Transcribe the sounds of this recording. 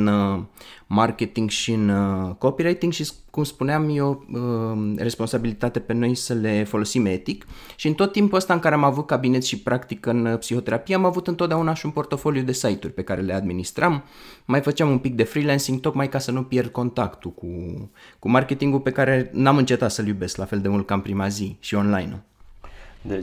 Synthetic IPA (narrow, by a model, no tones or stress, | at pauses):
n | markʲe̞t̪iŋɡʃiɨnəko̞piɾajt̪iŋɡʃis | kumspuneamjeoəre̞spo̞nsabilit̪at̪e̞pe̞no̞jsəle̞fo̞lo̞sime̞t̪ikʃiɨnt̪o̞t̪ːimpuəst̪aɨŋkaɾe̞amavut̪̚kabinet̪sʃipɾʔakt̪ikɨnpsiho̞t̪e̞ɾapijeamavut̪ɨnt̪ot̪d̪eaunaʃiunpo̞rt̪o̞fo̞lijud̪e̞sajt̪urʲpe̞kaɾe̞le̞ad̪minist̪ɾamː | ajfət͡ʃeamunpik̚d̪e̞fɾilensiŋɡ̚t̪o̞kmajkasənupje̞rd̪̚ko̞nt̪akt̪ukukumarkʲe̞t̪iŋɡupe̞kaɾe̞namɨnt͡ʃe̞t̪at̪səljube̞sklafe̞ld̪e̞mult̪̚kampɾimaziʃio̞nla̰jnṵ | d̪